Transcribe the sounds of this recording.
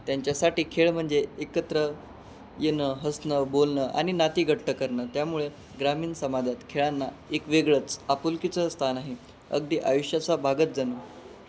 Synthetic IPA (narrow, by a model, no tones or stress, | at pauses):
t̪jaɲt͡ɕjasaʈiːkʰeɭm̤əɳd͡zeekət̪ɾə | jenəɦəsnəbolɳəʔa̰ɽ̃inat̪iːɡʱəʈʰːəkəɾɳəːt̪jamuɭe | ɡɾamiːnsəmad̪ʱat̪kʰeɭanːaekʋeɡɭət͡sapulkit͡səst̪ʰanaɦi | ə̰ɡd̪iːʔa̰juʂjat͡sabʱaɡət̪̚d͡zanəː